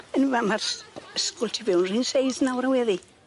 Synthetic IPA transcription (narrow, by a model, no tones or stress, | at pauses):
ənvamarəskʊlˠtʰivɛwnrinsejθnawɾawɛði